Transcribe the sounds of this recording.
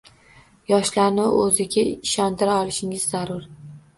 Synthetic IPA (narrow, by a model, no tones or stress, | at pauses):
jɒʃlaɾnɪɵzɪɡʲaɪʃɒnt̪ʰɪɾaɒlˠɪʃɪŋɪzːaɾʊɾ